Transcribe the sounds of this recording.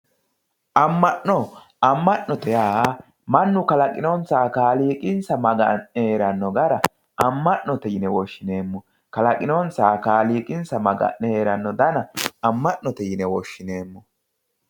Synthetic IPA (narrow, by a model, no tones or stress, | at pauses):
ʔɐmːɐʔːɔ | ɐmːɐʔnːɔt̪ɛjaː | mɐnːʊkɐlɐkʼɪnont͡saːkaːliːkʼɪnsɐmɐɡɐnːɛheːɾɐnːɔɡɐɾɐ | ɐmːɐʔnɔt̪ɛjɪnɛwɔʃːɪne̞ːmːɔ | kɐlɐkʼɪnont͡saːkaːliːkʼɪnsɐmɐɡɐ̰ʔːɛheːɾɐnːɔd̪ɐnɐɐmːɐʔnɔt̪ɛjɪnɛwɔʃːɪneːmːɔ